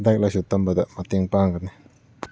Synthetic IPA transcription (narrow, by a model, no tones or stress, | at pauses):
d̪ak̚lasut̪ːambad̪amat̪iəŋpaːŋkanni